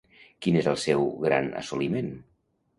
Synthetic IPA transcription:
kinezəlˠsɛwɣɾa̰nə̰sulimen

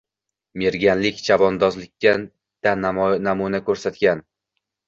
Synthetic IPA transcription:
me̞ɾɡʲanlɪkʲt͡ʃʰabɒnd̪ɒzlɪkʲːa | d̪̥annamunakʰɵɾsat̪ɡʲan

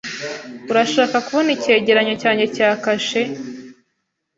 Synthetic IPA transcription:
uɾaʃaːkakuβo̞nice̞ːɟe̞ɾaɲo̞caːɲe̞caːkaʃe

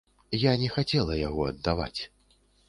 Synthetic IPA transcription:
janʲɛxat͡sʲɛlˠɐjaɣɔɐd̪ːava̰t͡sʲ

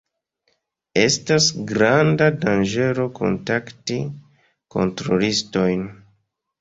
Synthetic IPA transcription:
e̞stasɡɾandadand͡ʒe̞ɾo̞kʰo̞̰ntakti | ko̞̰ntɾolisto̞jn

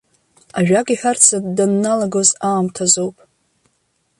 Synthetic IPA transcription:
aʒᶣakʼiħʷᶣart͡sʰab̚ʼdanːalaɡozaːmtʰazowpʼ

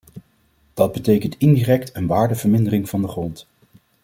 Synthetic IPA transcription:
d̥ɑd̚bətejkəntɪndiːrɛk̚tənʋaːɹdəv̥əɹmɪndərɪŋv̥ɑndəχrɔnt

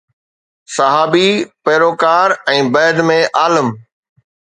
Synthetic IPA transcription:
sɐɦaːbipeːɾoːkaːɾɛ̃ːbɛːd̪mẽʔaːləm

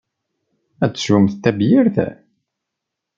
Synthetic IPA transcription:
æt͡sːsumθt̪ːæbjɪɾθæ̰

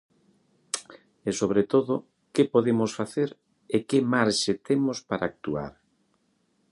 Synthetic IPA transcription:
esoβ̞ɾet̪oðʊ | kepoðemʊsfaθeɾ | ekemaɾʃet̪emospaɾaːk̚t̪ua̰ɾ

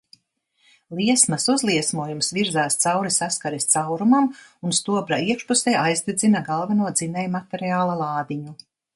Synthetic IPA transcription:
lˠiɛsmɐsuzlˠiɛsmuɔjumsviɾzaːst̪sawɾisaskaɾist̪sawɾumamunst̪uɔbɾaiɛkʃpusɛjajzd̪id̪zinaɡalˠvɛnuɔd̪zinɛjmat̪ɛɾiaːlˠalˠɑːd̪iɲu

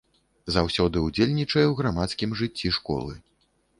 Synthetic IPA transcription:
zawsʲɔd̪ɨud͡zʲelʲnʲit͡ʂɐjɛwɣɾamat̪skʲimʐɨt͡sʲːiʂkɔ̰lˠɨ̰

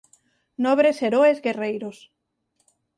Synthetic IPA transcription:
nɔβɾeseɾoezɡerejɾos

